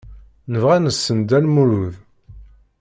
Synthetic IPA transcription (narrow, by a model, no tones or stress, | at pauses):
nəvʁænəsːənd̪ælmuɾuð